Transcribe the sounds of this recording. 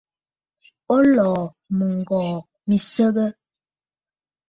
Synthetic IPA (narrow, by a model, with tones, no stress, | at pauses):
o˦lɔː˨ | mə˨ŋ̩˨ɡɔː˨ | mi˨sə˦bə˦